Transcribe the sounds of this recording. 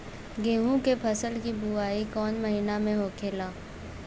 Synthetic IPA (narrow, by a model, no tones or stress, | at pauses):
ɡeːɦũkepʰɐsəlkibuaːikɔːnmɐɦinamẽɦoːkʰeːlaː